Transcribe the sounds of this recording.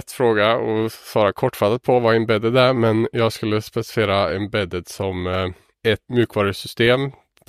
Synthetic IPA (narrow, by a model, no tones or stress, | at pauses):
t̪ːfɾoːɡɑɔsɑːɾɑkʰɔʈːfɑt̪ːət̪̚pʰɔʋɑːɛnbɛd̪əd̪æɾmɛnjɑɡskʉlːəspɛsɪfeːɾɑɛnbɛd̪əd̪sɔm | ɛt̪mjʉːkʰʋɑːɾəsʏst̪eːm